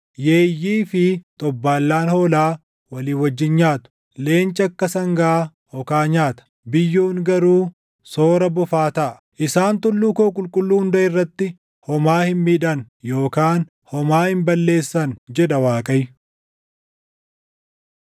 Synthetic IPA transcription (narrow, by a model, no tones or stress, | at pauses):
jeːjːiːfɪt̪ʼɔbːaːlːaːnhoːlaː | wɐliːwɐd͡ʒːɪnɲaːt̪ʊ̥ | le̞ːnt͡ʃʼɐkːɐsɐŋɡɐː | hɔkaːɲaːt̪ɐ̥ | bɪjːuːŋɡɐɾuː | soːɾɐbɔfaːt̪ɐʔɐ | ʔɪsaːnt̪ʊlːuːkoːkʼʊlkʼʊlːuːhʊnd̪ɐɪrːɐt̪ːɪ | hɔmaːhɪmmiːd̪ɐn | jo̞ːkaːn | hɔmaːhɪmbɐlːe̞ːsːɐnd͡ʒɛᶑɐwaːkʼɐj